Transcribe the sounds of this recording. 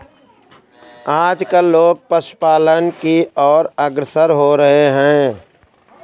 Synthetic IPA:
aːd͡ʒkəloːɡ̚pəʃpaːlənkiɔːɾəɡɾəsəɾɦoɾəɦeɦɛ̃ː

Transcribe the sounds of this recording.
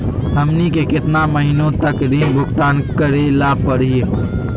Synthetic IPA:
ɦəmnikekɪt̪naməɦinõt̪əkɾinbʱʊkt̪aːnkəɾelapəɽije

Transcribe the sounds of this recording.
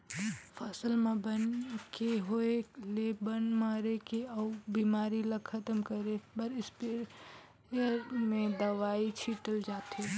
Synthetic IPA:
fʰɐsəlmẽbənkeɦoelebənmaːɾekeɐbiːmaːɾilɐɡkʰɐt̪əmkəɾebɐɾɪspɪɾ | jəɾmẽd̪ɐʋaːit͡ʃʰiːʈəld͡ʒaːt̪e

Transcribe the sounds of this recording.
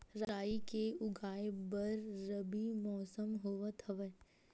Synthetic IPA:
ɾaːikeʊɡʱaːebɐɾːəbimɔːsəmɦoːʋət̪ʰɐʋə

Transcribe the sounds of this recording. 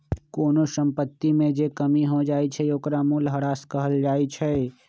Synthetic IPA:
koːnoʃə̃mpət̪ːimẽd͡ʒekəmiɦod͡ʒaːit͡ʃʰɛjoːkɾamuːlɦɐɾaːskəɦəld͡ʒaːit͡ʃʰɛ

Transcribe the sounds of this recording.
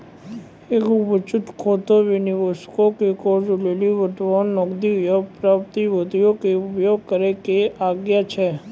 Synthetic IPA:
eːkʊpət͡ʃʊt̪kʰoːt̪oʋɪniʋoskokekoːd͡ʒʊleliʋəʈʋɔnɔkd̪ijopɾap̚t̪iʋod̪ijokeʊpjoːɡ̚kəɾekeʔaːɡjat͡ʃʰɛ

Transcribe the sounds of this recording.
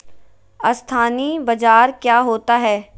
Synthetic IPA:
ɐst̪ʰaːnibɐd͡ʒaːɾkjaːɦoːt̪aɦɛː

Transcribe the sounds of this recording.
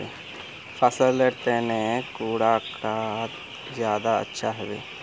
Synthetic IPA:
e | pʰasəleʈeːnẽkuːɽakɾat̪ | zjaːd̪aə̰tːʃʰaɦɛʋḛː

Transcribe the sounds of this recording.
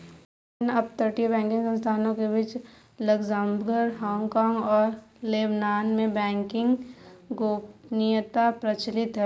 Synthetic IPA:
nɐb̚t̪əɾʈijebɛ̃ːŋkɪ̃ŋɡsə̃nst̪ʰaːnõkebɪt͡ʃ | ləɡzãmbɡəɾɦɔ̃ːŋɡkaːŋɡɔːɾleːbnaːnmẽbɛ̃ːŋkɪ̃ŋɡɡoːpnijət̪apɾɐt͡ʃlɪt̪ɦɛ

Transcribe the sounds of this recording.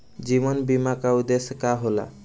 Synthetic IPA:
d͡ʒimɔnbimakaud̪eskaɦola̰

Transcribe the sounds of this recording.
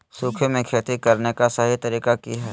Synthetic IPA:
suːkʰemẽkʰeːt̪ikɐɾnekasəɦit̪ɐɾiːkakiɦɛː

